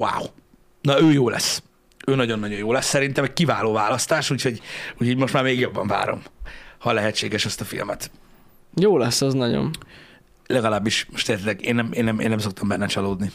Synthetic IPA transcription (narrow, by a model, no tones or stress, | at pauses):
wa̰ːw | nɒøːjoːlɛ̰sː | øːnɒɟo̞nːɒɟo̞njoːlɛsːɛɾint̪ɛmɛckivaːloːvaːlɒst̪aːʃuːcʰho̞ɟucʰhoɟmo̞ʃt̪maːɾmeːɡjo̞bːɒɱva̰ːɾo̞̰mhɒlɛɦɛt͡ʃːeːɡɛʃɛst̪ɒfḭlmɛt̪ | joːlɛsːɛznɒɟo̰n | lɛɡɒlaːbːiʃmoʃt̪eːɾt̪t̪lɛɡeːnːɛmeːnːɛmḛːnːɛmso̞k̚t̪ɒmbɛnːɛt͡ʃɒloːd̪ni